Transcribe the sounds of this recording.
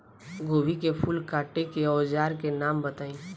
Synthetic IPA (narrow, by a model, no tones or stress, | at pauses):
ɡoːbikepʰʊlkaːʈekeɔːd͡ʒaːɾkenaːmbɐt̪aːĩː